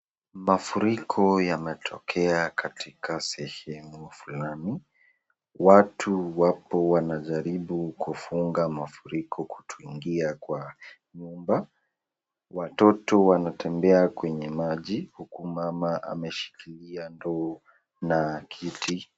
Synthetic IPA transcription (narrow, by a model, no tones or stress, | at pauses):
mafuɾikʰɔjamɛtʰɔkʰɛakʰatikasɛhɛmufulani | watʰuwapɔwanaʄaɾiɓukufuŋɡamafuɾikʰɔku̥tʰuiŋɡiakwa | ɲumba | watɔtɔwanatɛmbɛakwɛɲɛmaʄihukumamaʔa̰mɛʃi̥kiliandɔː | nakʰiti